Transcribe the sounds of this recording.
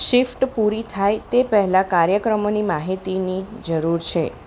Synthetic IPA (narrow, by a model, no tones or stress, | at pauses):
ʃifʈpuɾit̪ʰajt̪epəɦɛlãkaɾjəkɾəmonimaɦit̪inid͡ʒəɾuɾt͡ʃʰe